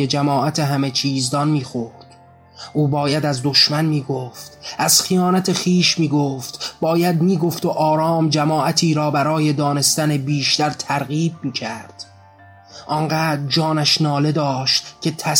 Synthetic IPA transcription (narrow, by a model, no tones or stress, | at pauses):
ed͡ʒæmɒːʔæt̪ʰe̞ɦæmet͡ʃʰiːzd̪ɒnmiːxoɾd̪̥ | ʔuːbɒːjæd̪æzd̪o̞ʃmænmiːɡoft̪ʔæz̥xijɒːnæt̪ʰe̞xiːʃmiːɡoːft̪bɒːjæd̪miːɡo̞ft̪oʔɒːɾɒːmd͡ʒæmɒːʔæt̪ʰiːɾɒːbæɾɒːje̞d̪ɒːne̞st̪ænebiːʃt̪æɾt̪ʰæɾɣiːb̚miːcʰæɾd̪̥ | ʔɒnɢæːd͡ʒɒːnæʃnɒːle̞d̪ɒːʃt̪cʲʰe̞t̪ʰæ